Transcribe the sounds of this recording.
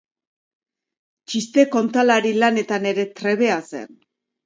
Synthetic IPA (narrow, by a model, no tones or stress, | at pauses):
t͡ʃist̪e̞ko̞nt̪alaɾilane̞t̪ane̞ɾe̞t̪ɾe̞βe̞ase̞̰n